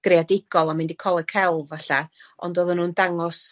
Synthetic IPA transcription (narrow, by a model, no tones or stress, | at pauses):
ɡ̥readɪɡ̥ɔlˠɔmɪndikʰɔlˠəkʰɛlˠvaɬaɔ̰ndoːðənuːndaŋɔs